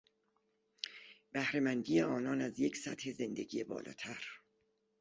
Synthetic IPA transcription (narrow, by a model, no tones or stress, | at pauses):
b̥æhɾe̞mænd̪iːje̞ɒːnɒːnæzje̞cʰsæt̪he̞ze̞nd̪e̞ɡijebɒ̰ːlʔɒ̰ːt̪ʰæɾ